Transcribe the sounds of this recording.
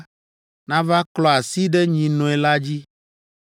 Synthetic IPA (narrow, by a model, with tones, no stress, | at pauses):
nã˦va˦klɔ˦a˨si˦ɖɛ˦ɲĩ˨nɔ̃˨ɛ˨la˦d͡ʑi˦